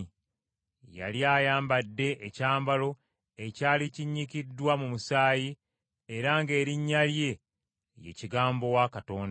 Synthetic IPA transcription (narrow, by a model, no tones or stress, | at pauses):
ja̰ljaːjaːmbadːe̞ʔecaːmbalo̞ | e̞caːliciɲːikidːwamumusaːji | eɾaŋɡe̞ːɾiɲːalje̞ | jḛciɡaːmbo̞wakato̞ːnda